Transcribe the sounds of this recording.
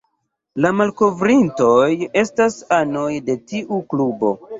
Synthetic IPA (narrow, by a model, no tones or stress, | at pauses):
lamalko̞vɾinto̞je̞stasano̞jde̞tiʔuklubo̞̰